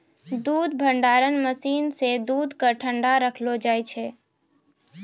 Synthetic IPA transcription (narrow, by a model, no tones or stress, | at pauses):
d̪uːd̪bʱə̃ɳɖaːɾənməsiːnsed̪uːd̪ʱkəɾʈʰə̃ɳɖaɾəkʰlod͡ʒaːet͡ʃʰe